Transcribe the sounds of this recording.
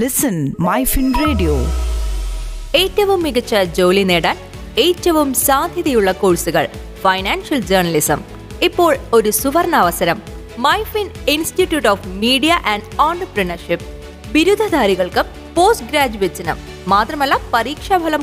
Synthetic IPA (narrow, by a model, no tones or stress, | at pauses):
lɪsɐnmɐjfinreːɖijo̰ː | e̞ːtːɐʋumːiɣɐt͡ɕːɐd͡ʑo̞ːlineːɽaːn | eːtːɐʋumsaːd̪ʱjɐðijuɭːɐkoːɻsuɣɐ̰ɭ | fɐjnaːnʂɐld͡ʑɐːrnɐlisɐ̰m | ipːo̞ːɭo̞ɾusuʋɐrnɐːʋɐsɐɾɐm | mɐjfininsʈiʈːjuʈoːfmiːɖijɐʔɐɳɖaːɳɖrɨprɐnɐrʂip̚ | ʋiɾud̪ʱɐd̪ʱaːɾiɣɐɭkɨ | po̞ːsɡɾaːd͡ʑuʋet͡ɕːɐnɨ̰ː | aːt̪rɐmɐlːɐpɐriːkʂɐbʱɐlɐm